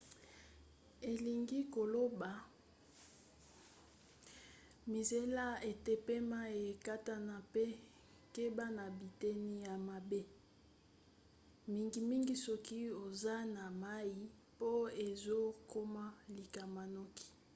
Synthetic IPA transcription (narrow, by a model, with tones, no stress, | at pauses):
e˨li˨ŋɡi˦ko˨lo˦ba˨ | mi˨ze˦la˦e˨te˦pe˦ma˦e˨ka˦ta˦na˨pe˦ | ke˦ba˦na˨bi˨te˦ni˦ja˨ma˨be˦ | mi˦ŋɡi˨mi˦ŋɡi˦sɔ˦ki˦o˨za˦na˨ma˦ji˦ | po˦e˨zo˦ko˦ma˦li˨ka˨ma˨nɔ˦ki̥˨